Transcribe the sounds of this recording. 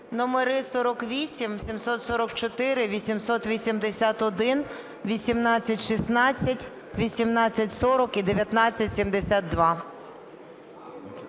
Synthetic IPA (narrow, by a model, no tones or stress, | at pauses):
nɔmeɾɪsɔɾɔkʋʲisʲimsʲimsɔt̪sɔɾɔkt͡ʃɔt̪ɪɾɪʋʲisʲimsɔt̪ʋʲisʲimd̪esʲat̪ɔd̪ɪn | ʋʲisʲimnɑt͡sʲːɐtʲʃisnɑt͡sʲːɐtʲ | ʋʲisʲimnɑt͡sʲːɐtʲsɔɾɔkid̪eʋʲjɐt̪nɑt͡sʲːɐtʲsʲimd̪esʲat̪̚d̪ʋɑ